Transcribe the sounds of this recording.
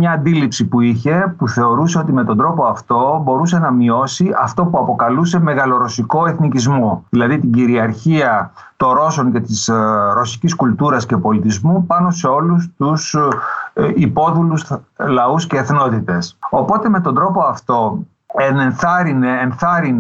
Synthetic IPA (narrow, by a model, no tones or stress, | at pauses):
ɲɐːnd̪ilipsipuiçe̞puθe̞o̞ɾuse̞ot̪ime̞t̪o̞nd̪ɾo̞po̞ɐft̪o̞bo̞ɾuse̞nɐmio̞siɐft̪o̞puɐpo̞kɐluse̞me̞ɣɐlo̞ɾo̞siko̞e̞θnicizmoðilɐðit̪iɟiɾiɐɾçiɐ | t̪o̞nɾo̞so̞ŋce̞t̪isɾo̞si̥ciskult̪uɾɐsce̞po̞lit̪izmupɐno̞se̞o̞lus̬t̪us | ipo̞ðuluslɐusce̞ːθno̞t̪it̪e̞so̞po̞t̪e̞me̞t̪o̞nd̪ɾo̞po̞ɐft̪o̞ | enenθɐɾineːnθɐɾin